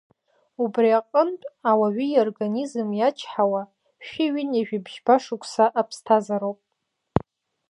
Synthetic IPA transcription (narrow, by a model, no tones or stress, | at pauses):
ubriaqʼəntʼawaɥijorɡanizɨmjat͡ʃʰħawa | ʃᶣiɥineʒᶣibʒbaʂukʷʰʼsaʔapʰstʰazaɾowpʼ